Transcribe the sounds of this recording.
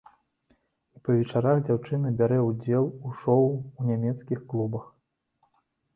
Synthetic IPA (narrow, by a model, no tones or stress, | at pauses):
ipɐvʲɛt͡ʂaɾaɣd͡zʲawt͡ʂɨnɐbʲaɾɛud͡zʲɛlˠuʂɔwunʲamʲɛt̪skʲixklˠubɐx